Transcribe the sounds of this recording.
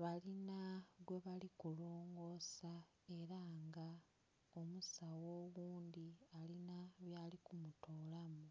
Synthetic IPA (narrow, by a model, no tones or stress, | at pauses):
βalinaɡwe̞βalikuloːŋɡo̞sa | e̞ɾaŋɡa | omusawo̞ːβuːnd̪ialinaβjaːlikumutʰoːlamu